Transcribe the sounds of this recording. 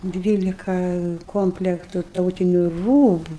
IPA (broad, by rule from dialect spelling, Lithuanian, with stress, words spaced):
ˈdʲʋʲiːlʲɪkɐ ˈkoːmʲpʲlʲɛktʊ ˈtɐʊtʲɪnʲʊ ˈruːbʊ